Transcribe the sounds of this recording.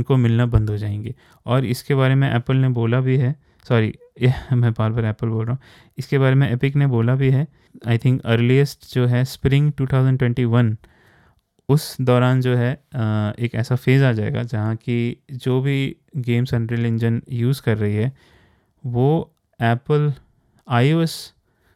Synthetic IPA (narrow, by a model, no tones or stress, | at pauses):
nkomɪlnabɐ̃nd̪ɦod͡ʒaːẽːŋɡeː | ɔːɾɪ̰skeβaːɾemẽʔɛːpəlneboːlabʱiɦɛ | sɔːɾḭ | mɛ̃baːɾbaːɾɛːpəlboːlɾaːũ | ɪskebaːɾemẽʔeːpɪkneboːlabʱiɦɛ | aːɪt̪ʰɪ̃ŋkəːɾliəsʈd͡ʒoːɦɛspɾɪ̃ŋɡʈuːt̪ʰaːʊzə̃ɳɖʈwɛ̃ɳʈiʋɐn | ʊsd̪ɔːɾaːnd͡ʒoːɦɛ | eːkɛ̰ːsafeːzaːd͡ʒaːḛːɡa̰d͡ʒɐɦãkid͡ʒoːbʱi | ɡeːmsɐ̃ɳʈɾəlɪ̃nd͡ʒənjuːzkɐɾːɐɦiɦɛː | ʋoː | ɛːpəl | aːioːs